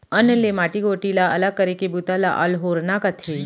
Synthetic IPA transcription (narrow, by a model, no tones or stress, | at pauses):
ənlemaʈiɡoʈilaəlaɡ̚kəɾekebut̪ala̰ʔə̰lɦoɾnakət̪ʰe